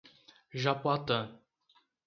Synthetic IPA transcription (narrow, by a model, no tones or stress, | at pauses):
ʒapwat̪ə